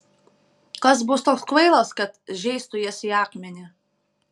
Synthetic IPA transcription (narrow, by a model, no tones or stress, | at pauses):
kɐsbʊst̪oːkskʋɐɪlˠɐskɐt̪ʒʲɛɪst̪ʊjɛsʲjɑːkmʲɛnʲɪ